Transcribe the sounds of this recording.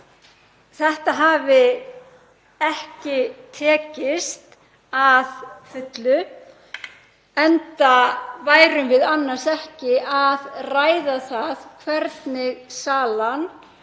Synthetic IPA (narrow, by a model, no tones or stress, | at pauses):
θɛht̪aɦaːvɪ | ɛhcɪt̪ʰɛːcɪst̪ | aðfʏt̪lʏ | ɛnt̪avaːjɾʏmvɪðanːar̥sɛhcɪaðraːjðaθaðkʰvɛɾt̪nɪɣsaːlan